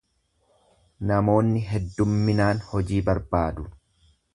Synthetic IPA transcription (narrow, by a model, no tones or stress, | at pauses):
nɐmo̞ːnːɪɦɛd̪ːʊmːɪnaːnhɔd͡ʒiːbɐɾbaːd̪ʊ